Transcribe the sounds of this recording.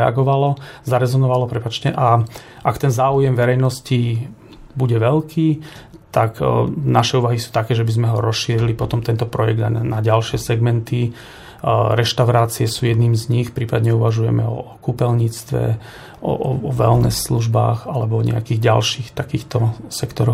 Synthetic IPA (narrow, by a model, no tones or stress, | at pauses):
ɛa̰ɡɔʋalɔzaɾɛzɔnɔʋalɔpɾɛpaːt͡ʃcɛʔaʔakt̪ɛnzaːujɛmʋɛɾɛjnɔsci | buɟɛʋɛlkʰiːt̪aknaʃɛuːʋaɦisu̥ːt̪akɛːʒɛbizmɛɦɔɾɔsʃiːɾilipɔt̪ɔmt̪ɛnt̪ɔpɾɔjɛɡd̪anaɟalʃɪɛsɛɡmɛnt̪i | ɾɛʃt̪aʊɾaːt͡siɛsuːjɛd̪niːmzɲixpɾiːpad̪ɲɛuʋaʒujɛmɛ̰ɔ̰kupɛlɲiːt͡st̪ʋɛ̰ | ʔɔ̰ʔɔ̰ɔʋɛlnɛ̰sluʒba̰ːɣalɛbɔɔɲɛ̰akiːɣɟa̰lʃiːxt̪akiːxt̪ɔsɛkt̪ɔɾɔx